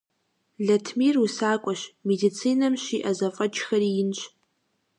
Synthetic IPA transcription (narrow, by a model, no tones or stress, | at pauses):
ɮɐtʰmirusaːkʷʼaʃmedit͡sʰinamʃiʔazɐfʼɐd͡ʒxɐriɪnt͡ʃʷʰʼ